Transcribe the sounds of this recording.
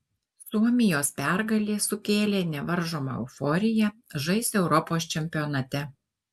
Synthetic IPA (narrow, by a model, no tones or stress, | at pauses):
suɔmʲɪjoːspʲæˑɾɡɐlʲeːsʊkʲeːlʲeːnʲɛʋɐɾʒoːmɑ̰ːˑɛʊfɔɾʲɪjɛʒɐɪsʲɛʊɾɔpoːst͡ʃʲɛmʲpʲɪɔnɐt̪ʲɛ